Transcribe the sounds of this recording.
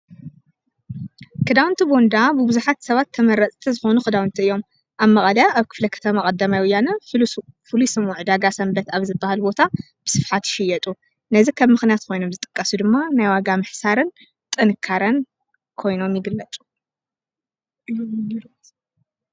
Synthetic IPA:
kʰɨd̪awnt̪ʰibo̞nd̪abɨbɨzuħat̪sɐβat̪ʰːɐmɐɾɐt͡sʼt̪ʰizɨxo̞nukʰɨd̪awnt̪ʰiɨjːo̞m | ʔaβmɐχʼɐd̪aaβkʰɨ̥flɐkʰɐ̥t̪ʰɐmakʼɐd̪ɐmajwʊjːanɐ | fɨlusɨmuʕd̪aɡasɐmbɐt̪aβzɨbːahalbo̞t̪ʰa | b̥ɨ̥sɨfħat̪ʃɪjɛt̪ʼu | nɐzikʰɐβmɨxnijat̪kʰo̞jno̞mzɨt̪ʼɨ̥kʼːɐsud̪ɨmːanajwaɡamɨħsaɾɨn | t̪ʼɨnɨkʰːaɾɐn | kʰo̞jno̞mjɪɡɨlːɐt͡sʼu̥

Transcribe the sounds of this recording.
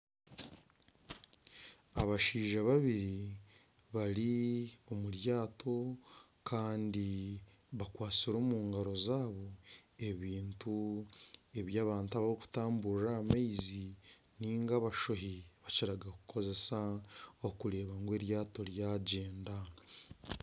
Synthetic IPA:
aβaʃiːʒaβaβiɾi | βaɾio̞muɾjaːtʰo̞ | kʰaːndi | βakwaːt͡siɾo̞ːmuːŋɡaɾo̞zaːβo̞e̞βiːntu | e̞βjaːβaːntaβaɾiku̥taːmbuɾaːmaizi | niːŋɡaβaʃoɦiβaciɾaɡakukʰo̞ze̞saokuɾe̞ːβaŋɡwe̞ːɾjaːto̞ɾjaːɟeːnda

